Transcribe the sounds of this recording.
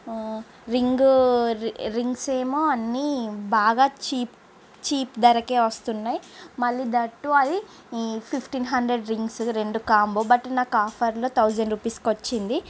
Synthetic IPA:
ɾiŋɡ | ɾiŋɡseːmoːɐnːibaːɡaːt͡ʃiːp | t͡ʃiːpd̪ɐɾɐke̞ːʋɐst̪unːaːjimɐɭːiːd̪ɐʈːuɐli | pʰipʰʈinɦɐɳɖɾeɖɾiŋɡsɾe̞ɳɖukaːmboːbɐʈnaːkaːpʰɐɾlo̞ːt̪ʰɐwd͡ʒɐɳɖɾupiːskʋɐt͡ʃːind̪i

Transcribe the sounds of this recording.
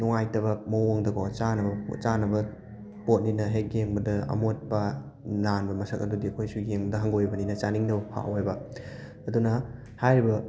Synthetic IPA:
nuŋajtɐβɐmowoŋdɐɡot͡ʃanɐbɐ̰t͡ʃanɐbɐ | pot̚ninɐɦeɡeŋbɐdɐɐ̰mot̚pɐ | nanbɐmɐsɐkɐdudiɐkʰojsuɡeŋbɐdɐɦɐŋɡojbɐninɐt͡ʃaniŋnɐbɐpʰa̰ʔojbɐː | dunɐ | hajɾibɐ

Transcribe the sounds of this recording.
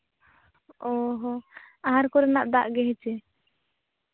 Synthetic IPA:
ɔɦɔ | aɦaɾkɔɾɛnaʔd̪aʔɡɛɦɛt͡ʃɛ

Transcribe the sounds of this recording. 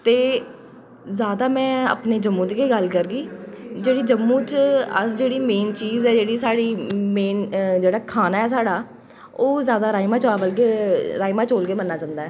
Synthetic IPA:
t̪eː | zjaːd̪aːmɛ̃ːə̰pneːd͡ʒəmːũːt̪ɡeːɡəlkəɾɡiːd͡ʒeːɽiːd͡ʒəmːũːt͡ʃə̰sd͡ʒeːɽiːmẽːnt͡ʃiːzɛːd͡ʒeːɽiːsaːɽiːmeːnd͡ʒeːɽaːkʰaːnaːɛːs̬aːɽaː | oːzjaːd̪aːɾaːimaːt͡ʃaːbəlkeːɾaːimaːt͡ʃoːlkeːmənːaːd͡ʒãːnd̪aːɛː

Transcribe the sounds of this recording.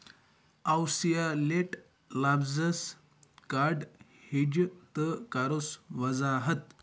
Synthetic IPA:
awsijaleʈ | labzəs | kaɾɖ | hed͡ʑt̪əkaɾosʋəd͡zaɦət̪

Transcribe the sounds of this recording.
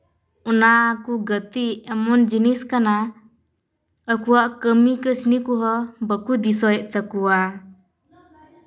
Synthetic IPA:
ɔnakuɡət̪iɛmɔnd͡ʒiniskana | əkuwaʔkəmikəsnikuɦɔbəkud̪is̬ɔjɛʔt̪əkuwa

